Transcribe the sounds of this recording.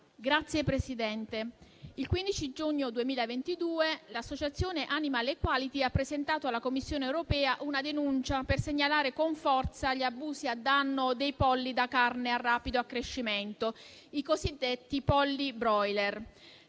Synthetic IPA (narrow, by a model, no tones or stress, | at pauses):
ɡɾat̪sːjepɾesid̪ɛnt̪eilkwind̪it͡ʃid͡ʒuɲːod̪uemiːlaevent̪id̪uːelasːot͡ʃat̪sːjoːneʔanimalekːwalit̪iapːɾezent̪aːt̪oalːakomːisːjoːneːwɾopɛːaʔunad̪enunt͡ʃaperseɲːalaːɾekoɱfɔrt̪saʎiabuːziad̪ːanːod̪ejpɔlːid̪akarnearːaːpid̪oakːɾeʃːiment̪o | ikozid̪ːet̪ːipɔlːibɾɔjler